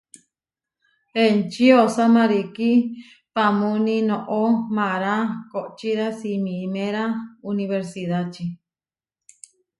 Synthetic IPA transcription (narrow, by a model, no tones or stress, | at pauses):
ent͡ʃiosamãɾiki | pamunĩnõʔomãɾakoʔt͡ʃiðasimĩmẽɾauniβeɾsiðat͡ʃi